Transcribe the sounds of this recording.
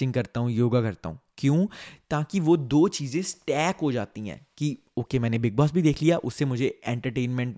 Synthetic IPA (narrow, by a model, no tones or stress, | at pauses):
ɪ̃ŋɡkɐɾt̪aɦũjoːɡakɐɾt̪a̰ɦṵ̃ːkjõːt̪aːkiʋod̪oːt͡ʃiːzẽsʈɛːkɦod͡ʒaːt̪iɦɛ̰̃ːki | oːkemɛ̃ːnebɪɡ̚bɔːsbʱid̪eːkʰlijaːʔʊsːemʊd͡ʒʱeɛ̃ːɳʈəɾʈeːnmɛ̃ɳʈ